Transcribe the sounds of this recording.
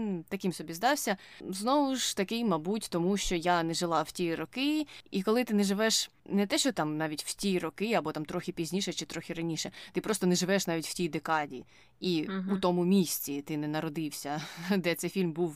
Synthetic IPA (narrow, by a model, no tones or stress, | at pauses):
t̪ɐkɪmsɔbʲizd̪ɑwsʲɐznɔʋʊʃt̪ɐkɪjmɐbutʲt̪ɔmuʃt͡ʃɔjanɛʒɪlˠɑwtʲiɾɔkɪikɔlˠɪt̪ɪnɛʒɪʋɛʃnɛt̪ɛʃt͡ʃɔt̪ɑmnɑʋʲitʲw̥tʲiɾɔkɪɐbɔt̪ɑmt̪ɾɔxʲipʲizʲnʲiʃɛt͡ʃɪt̪ɾɔxʲiɾɐnʲiʃɛt̪ɪpɾɔst̪ɔnɛʒɪʋɛʃnɑʋʲitʲw̥tʲijd̪ekɑdʲḭ | iut̪ɔmʊmʲisʲt͡sʲit̪ɪnɛnɐɾɔd̪ɪwsʲɐd̪ɛt̪sɛjfʲilʲmbuw